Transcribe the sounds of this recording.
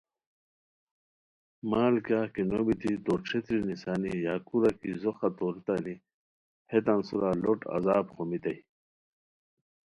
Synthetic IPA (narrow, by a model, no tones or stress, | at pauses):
maːlkakinobit̪it̪oʈ͡ʂʰet̪ɾinisaːnijaːkuɾakizoxat̪oɾit̪ani | het̪ansuɾaloʈɐ̰zaːbχomit̪ɐj